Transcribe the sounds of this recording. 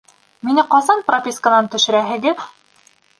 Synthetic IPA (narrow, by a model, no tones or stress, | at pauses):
minɘqɑzɑnpropʲiskənɑnt̪ɵ̆ʃɘ̆ɾæɦɘ̆ɡɘð